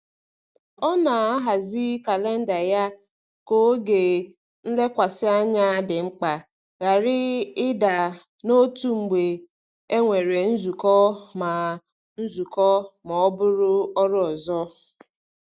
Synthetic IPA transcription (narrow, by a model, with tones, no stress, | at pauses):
ɔ˦na˨a˦ɦa˨zi˦ka˨le˦n̩˦da˨ja˦ | ko˦ɡe˨ | n̩˦le˦kʷa˨sɪ˦a˦ɲa˦dɪ˨ŋ͡m̩˦k͡pa˨ | ɣa˨ɾɪ˦ɪ˦da˨ | no˦tu˦ŋ͡m̩˨ɡ͡be˨ | e˦ŋʷe˨ɾe˨n̩˦zu˨kɔ˦ma˨ | n̩˦zu˨kɔ˦mɔ˨ɔ˦bʊ˦ɾʊ˦ɔ˦ɾʊ˦ɔ˨zɔ˦